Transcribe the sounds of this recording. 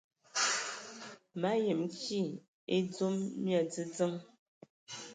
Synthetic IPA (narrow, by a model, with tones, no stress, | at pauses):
ma˨˦je˨mki˦˨ | e˦d͡zo˦mːja˨d͡zə˦d͡zə˦ŋ